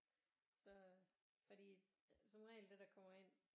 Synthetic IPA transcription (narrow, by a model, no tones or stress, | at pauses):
sɒ̽ | fɒ̽d̥ḭː | sɒnʁɛ̰ɪld̥ed̥ɑ̈kʰɒ̽m̰ɐe̝n̰